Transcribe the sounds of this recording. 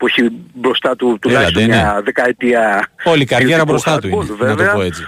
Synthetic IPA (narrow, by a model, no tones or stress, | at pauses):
pueçibɾost̪ɐt̪ut̪ulɐeɲneɐðekɐet̪iɐo̞likɐɾʝeɾɐbɾost̪ɐt̪uivenɐvoeɐoet͡si̥